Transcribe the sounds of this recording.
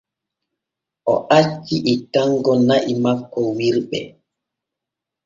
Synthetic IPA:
ʔɔʔat͡ʃːiʔɛtaŋɡɔnaʔimakːɔwiɾɓɛ̰

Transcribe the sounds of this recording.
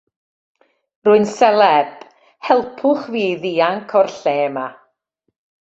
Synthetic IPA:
rʊɨnsɛlɛb̥ | hɛlˠpʰʊχviːðiːaŋkʰɔrɬɛːma

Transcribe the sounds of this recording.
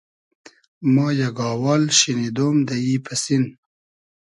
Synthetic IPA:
mɑːjaɡɑːwɑːlʃinid̪oːmd̪aipʰəsin

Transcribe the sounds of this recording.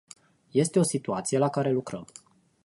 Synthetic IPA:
je̞st̪e̞o̞sit̪uat̪sije̞lakaɾe̞lukɾəm

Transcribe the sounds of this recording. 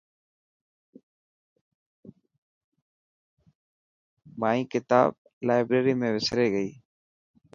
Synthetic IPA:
maːĩːkɪt̪a̰ːb̚ | laːɪbɾeːɾiːmẽːʋɪsɾeːɡəiː

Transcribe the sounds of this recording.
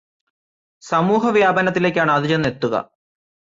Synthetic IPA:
sɐmuːɦɐʋjaːbɐnɐt̪̬ːile̞ːkʲːaːɳɨɐðid͡ʑenːe̞t̪ːuɣɐ̰

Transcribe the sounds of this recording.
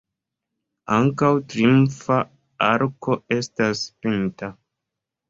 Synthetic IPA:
aŋkawtɾimfa | aɾko̞e̞staspinta

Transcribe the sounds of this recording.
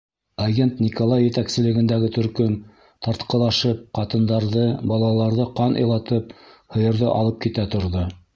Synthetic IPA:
ɐɡʲent̪nʲikolˠɑjːɘ̆t̪æksɘ̆lɘ̆ɡɘ̆nd̪æɡɘt̪ɵ̆ɾkɵn | t̪ɑɾt̪qɤ̆lˠɑʃɤp̚qɑt̪ɤ̆nd̪ɑɾðɤbɑlˠɑlˠɑɾðɤqɑnʔɤ̰̆jlˠɑt̪ɤp̚hɤ̆jɤ̆ɾðɤ̰ʔɑ̰lˠɤp̚kit̪æt̪ŏɾðo

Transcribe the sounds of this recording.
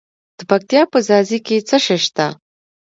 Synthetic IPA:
d̪̥əpak̚t̪ijɑpəzɑziket͡səʃeʃt̪a

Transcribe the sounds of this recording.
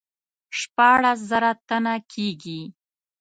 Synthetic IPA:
ʃpɑɽas̬zaɾat̪anakʰeɡi

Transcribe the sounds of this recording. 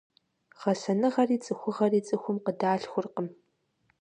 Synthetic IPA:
ʁɐsɐnɨʁɐriːt͡sʼɨxʷʊʁɐriːt͡sʼɨxʷʊmqədaːɬxʷʊrqəm

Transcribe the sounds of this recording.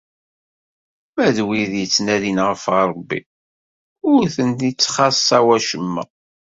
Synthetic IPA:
mæðwiðjət͡sːnælinʁəfʁɾˤbːḭ | ʊɾθənt̪it͡sːχɑsɑwæʃəmːæ̰

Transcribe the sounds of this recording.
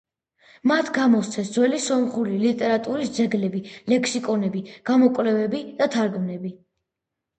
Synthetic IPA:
mat̪ʰɡamɔst̪sʰɛsd̪zwɛlisɔmχulilit̪ʼɛɾat̪ʼuɾisd̪zɛɡlɛbilɛkʰsikʼɔnɛbiɡ̥amɔkʼvlɛvɛbid̪̥at̪ʰaɾɡmnɛbi

